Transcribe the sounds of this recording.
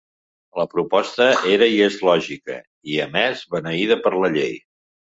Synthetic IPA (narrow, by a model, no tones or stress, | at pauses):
ləpɾupɔst̪əeɾəiezlɔʒikə̰ | iəmɛzβənəiðəpəɾləʎej